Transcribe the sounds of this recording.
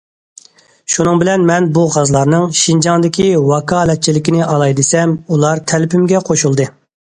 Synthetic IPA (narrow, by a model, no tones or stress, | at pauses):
ʃunɨŋbɪlɛnmɛnbuʁɑzlˠɑɾnɨŋʃind͡ʒɑŋd̪ɪkʲʰiwɑkʰɑːlɛt̪̚t͡ʃʰːilɪkʲinɪʔɑlˠɑjd̪ɨsɛmulˠɑɾt̪ʰɛlpymɡʲɛqʰoʃulˠd̪ɨ